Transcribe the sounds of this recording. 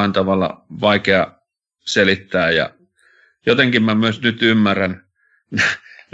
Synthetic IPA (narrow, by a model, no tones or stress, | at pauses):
ent̪ɑʋɑlːɑ̰ʋɑikeɑ | selit̪ːæːjɑ̰ | jot̪eŋkimmæmyøsnyt̪ymːæræn | n